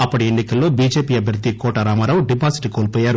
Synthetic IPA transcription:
ɐpːɐɽienːikɐlːo̞ːbiːd͡ʒeːpiːɐbʱjɐɾɐd̪ːikɔːʈɐɾaːmaːɾaːwuɖibʱaːsi̥ʈikoːlpɔːjːaːɾu

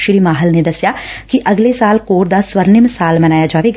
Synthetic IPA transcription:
ʃɾiːmaːɦəlned̪ɐsjaːkiʔɐɡlesaːlkoːɾd̪aːswəɾnɪmsaːlmɐnaːjaːd͡ʒaːʋeɡ

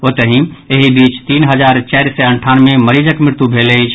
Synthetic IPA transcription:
ot̪əɦĩeɦibit͡ʃt̪iːnɦəd͡ʒaɾt͡ʃaɪɾsɛəɳʈʰanmeməɾid͡ʒəkmɾɪɾt̪ubʱeleɦit͡ʃʰ

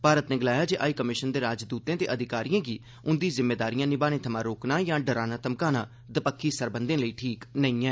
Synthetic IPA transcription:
paːɾət̪nẽːɡəlaːjaːd͡ʒeːʔaːiːkəmɪʃənd̪eːɾaːd͡ʒd̪uːt̪ẽːt̪eːʔəd̪ʱɪkaːɾijãːɡiː | ʊnd̪iːzɪmːeːd̪aːɾijãːnɪbaːnẽːt̪ʰəmãːɾoːknaːjãːɖəɾaːnaːt̪əmkaːnãː | d̪əpəkʰːiːsəɾbənd̪ẽːləiːʈʰiːknəĩːɛ̃ː

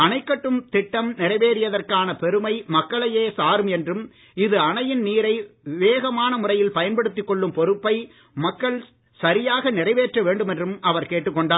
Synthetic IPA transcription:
ɐnɐɪkːɐʈːɯmt̪ɪʈːɐmnɪrɐɪʋeːɾɪjɐðɐrkaːnɐpɛɾɯmɐɪmɐkːɐɭɐjeːsaːɾɯmɛndrɯm | ɪðɯɐɳɐjɪnniːɾɐɪʋɪʋeːɣɐmaːnɐmʊrɐjɪlpɐjɐnpɐɽɯt̪ːɪkːɔɭːɯmpɔɾɯpːɐɪ | mɐkːɐɭ | sɐɾɪjaːɣɐnɪrɐɪʋeːʈrɐʋeːɳɖɯmɛndrɯmɐʋɐɾkeːʈːɯkːɔɳɖaː

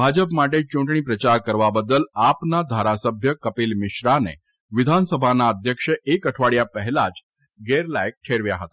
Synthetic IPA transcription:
bʱad͡ʒəpmaʈ̬et͡ʃũɳʈɳ̃ipɾət͡ʃaɾkəɾʋabəd̪ːəlapnad̪ʱaɾasəbʱjəkəpilmɪʃɾanḛ | ʋɪd̪ʱansəbʱanaəd̪ʱjəkʂəʔekəʈʰʋaɭjapəɦɛlad͡ʒ | ɡeɾlajk̚ʈʰeɾʋjaɦət̪a

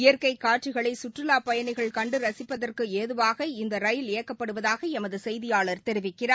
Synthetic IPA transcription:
ɪjɐɾkɐɪkːaːʈ̚t͡ʃɪɣɐɭɐɪsʊʈrɪlaːpɐjɐnɪɣɐɭkɐɳɖɯɾɐsɪpːɐðɐrkɯeːðɯʋaːɣɐɪnd̪ɐɾɐjɪleːɐkːɐpːɐɽɯʋɐðaːɣɐɛmɐðɯsɛjðɪjaːɭɐɾt̪ɛɾɪʋɪkːɪraːɾ

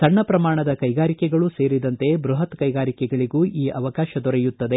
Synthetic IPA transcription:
sɐɳːɐpɾɐmaːɳɐd̪ɐkɐjɡaːɾikɛɡɐɭuse̞ːɾid̪ɐnt̪e̞bɾuɦɐt̪kɐjɡaːɾikɛɡɐɭiɡuːʔiːʔɐʋɐkaːʃɐd̪ɔɾɛjut̪ːɐd̪e̞

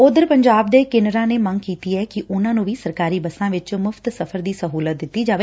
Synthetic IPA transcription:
ʊd̪əɾpəɲd͡ʒaːbd̪eːkeːnəɾãːneːmə̃ŋɡkiːt̪iːɦɛːkiʔʊnãːnũːʋiːsəɾkaːɾiːbəsãːʋɪt͡ʃmʊfʰt̪səfʰəɾd̪iːsəɦuːlət̪̚d̪ɪt̪ːiːd͡ʒaːʋeː

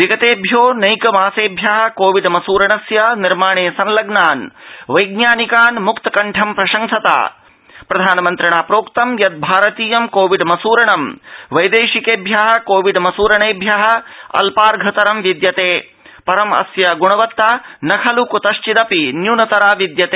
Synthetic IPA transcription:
ʋiɡɐt̪eːbʱjoːnɐjkɐmaːseːbʱjaːɦɐ̆koːʋiɖmɐsuːɾɐɳɐsjɐniɾmaːɳeːsɐnlɐɡnaːnʋɐjɡɲaːnikaːnmukt̪ɐkɐɳʈʰɐmpɾɐʃɐŋʃɐt̪a̰ː | pɾɐd̪ʱaːnɐmɐnt̪ɾɐɳaːpɾoːkt̪ɐmjɐt̪̚bʱaːɾɐt̪iːjɐmkoːʋiɖmɐsuːɾɐɳɐmʋɐjd̪eːʃikeːbʱjaːɦɐ̆koːʋiɖmɐsuːɾɐɳeːbʱjaɦɐ̆ɐ̰lpaːɾɡʱɐt̪ɐɾɐmʋid̪jɐt̪eː | pɐɾɐmɐ̰sjɐɡuɳɐʋɐt̪ːaːnɐkʰɐlukut̪ɐʃt͡ʃid̪ɐpinjunɐt̪ɐɾaːʋid̪jɐt̪eː

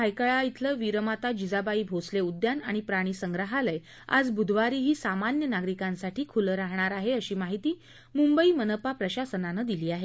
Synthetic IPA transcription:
ajkəɭait̪ʰləʋiɾəmat̪ad͡ʑid͡zabaiːbʱosleud̪janaɽ̃ipɾaɽ̃iːsəŋɡɾəɦaləj | a̰d͡zbud̪ʱʋaɾiːɦiːsamanjənaɡɾikãnsaʈiːkʰuləɾaɦɳ̃aɾaɦeəɕiːmaɦit̪iː | mumbəiːmənəpapɾəɕasənanəd̪iliːaɦe

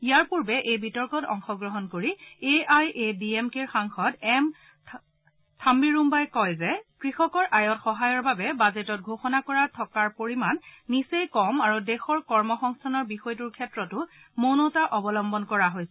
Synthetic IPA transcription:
ijaɹpuɹbɛʔejbitɔɹkɔtɔ̰ŋxɔɡɹɔɦɔnkoɹieajʔebiemkeɹxaŋxɔtɛm | tʰambiɹumbajkɔjzɛkɹixɔkɔɹʔajɔtxɔɦajɔɹbabɛbazetɔt̚ɡʱoxɔnakɔɹatʰɔkaɹpoɹimanːisejkɔmaɹudɛxɔɹkɔɹmɔxɔŋstʰanɔɹbixɔjt̬uɹkʰɛtɹɔtʊ | monɔtaʔɔbɔlɔmbɔnkɔɹaɦojsɛ

